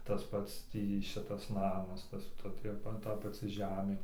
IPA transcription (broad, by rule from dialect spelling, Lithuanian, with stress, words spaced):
tɐs ˈpɐts ˈtʲiː ˈʃʲɪtɐs ˈnɑːmɐs ˈtɐs ˈtɐ ˈtʲiɛ ˈtɐ pɐˈt͡sʲɪ ˈʒʲæːmʲeː